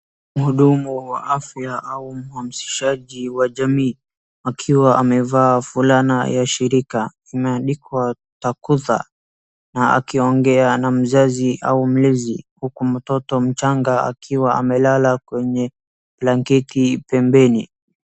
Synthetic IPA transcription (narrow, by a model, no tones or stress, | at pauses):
m̩huɗumuwa̰ʔafjaʔaum̩hamsi̥ʃaʄiwaʄamiː | akʰiwaʔamɛvaːfulana̰jaʃiɾika | imɛaɗikwa | takuða̰ | naa̰kiɔŋɡɛanam̩zaziʔaum̩lɛzihukum̩tɔtɔm̩t͡ʃaŋɡaa̰kʰiwaa̰mɛlalakwɛɲɛ | plaŋkɛtipɛmbɛni